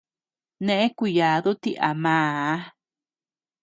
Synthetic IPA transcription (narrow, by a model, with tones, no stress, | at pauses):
nẽ˧ʔẽ˦ku˧˨jaː˨˦ðu˦t̪i˧ʔa˨mãː˨a˦